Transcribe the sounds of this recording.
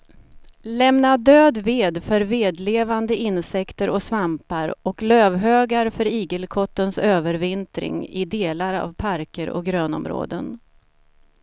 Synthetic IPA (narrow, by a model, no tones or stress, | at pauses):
lɛmnad̪øːd̪veːd̪fœɾveːd̪leːvand̪əʔɪnsɛkt̪əɾʔɔsvampaɾɔkløːvɦøːɡaɾfœɾiːɡəlkʰɔt̪ːənsøːvəɾvɪnt̪ɾɪ̰ŋɪ̰d̪eːlaɾa̰vpʰaɾkəɾɔ̰ɡɾøːnɔ̰mɾo̰ːd̪ə̰n